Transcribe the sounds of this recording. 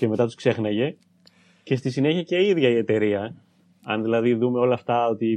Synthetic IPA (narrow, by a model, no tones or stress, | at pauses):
ceme̞t̪ɐt̪u̥skse̞xnɐʝe̞ | ce̞st̪isine̞çiɐce̞iðʝɐie̞t̪e̞ɾiɐ | ɐnðilɐðiðume̞o̞lɐːft̪ɐo̞t̪i